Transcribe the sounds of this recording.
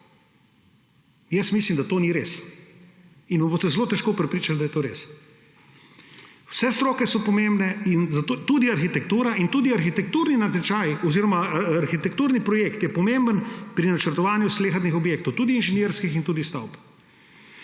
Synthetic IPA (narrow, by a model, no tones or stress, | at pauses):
jɛsmislimd̪at̪oːniɾes | inʋɐmboːst̪ɛzɛloːt̪ɛʃkoːpɾɛpɾiːt͡ʃald̪ɐjɛt̪oːɾḛs | wsɛst̪ɾoːkɛsɔpɔmembnɛinzat̪ot̪ud̪iaɾxit̪ɛk̚t̪uːɾaʔint̪ud̪iaɾxit̪ɛk̚t̪uɾninat̪ɛt͡ʃajɔziɾɔmaːɾxit̪ɛkt̪uɾnipɾɔjeːkt̪jɛpɔmembənpɾinat͡ʃəɾt̪ɔʋaːnjusleːxat̪nixɔbjeːkt̪ɔwt̪ud̪iːnʒɛnjeɾskixint̪uːd̪ist̪a̰wp